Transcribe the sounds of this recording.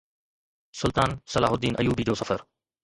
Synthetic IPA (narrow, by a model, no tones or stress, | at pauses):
sʊlt̪aːnsɐla̰ːɦʊd̪iːnʔɐ̰juːbid͡ʑoːsɐfəɾ